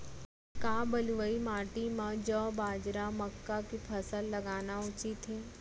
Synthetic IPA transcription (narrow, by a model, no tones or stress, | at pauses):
kaːbəlʋəimaːʈimãd͡ʒɔːbaːd͡ʒɾamɐkːakipʰɐsəlːɐɡaːnaʊt͡ʃit̪ɦeː